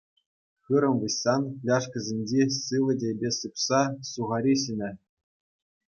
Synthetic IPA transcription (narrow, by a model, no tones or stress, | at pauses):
xɯɾɤ̆nʋɯɕːɑnlʲɑʂkʲɘ̆zʲenʲd͡ʑesɯʋɤ̆dʲebʲesɯpsɑsuʁɑɾʲiɕɘnʲɘ̆